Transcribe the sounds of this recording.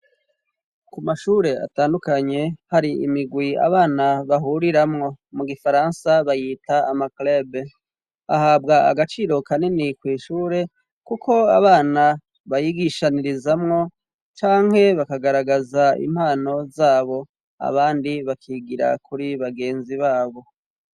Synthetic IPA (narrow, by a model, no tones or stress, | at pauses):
kumaʃuːɾe̞a̰taːndukaɲe̞haɾiḭmiɡwia̰βaːnaβaɦuɾiɾamŋo̞muɡifaɾansaβajiːtaːmaklab | ahaːbɡaa̰ɡat͡ʃiɾo̞kaninikwiːʃuːɾe̞ | kukʰo̞aβaːna | βajiɡiʃaniɾizamŋo̞ | t͡ʃaːŋ̥he̞βakaɡaɾaɡazaḭm̥haːno̞zaːβo̞ | a̰βaːndiβakʰiːɡiɾa̰kuɾiβaɡe̞ːnziβaːβo̞